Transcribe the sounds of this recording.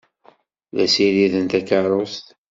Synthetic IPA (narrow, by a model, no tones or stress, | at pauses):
ðæsiɾiðənt̪ækəɾˤost̪